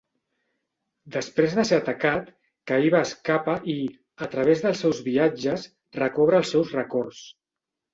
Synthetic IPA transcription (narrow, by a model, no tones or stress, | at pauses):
d̪əspɾezðəseət̪əkat̪ | kəiβaːskapəʔi | ət̪ɾəβ̞ezðəlˠsɛwzβiad͡ʒəs | rəkɔβ̞ɾəːlˠsːɛwzrəkɔrs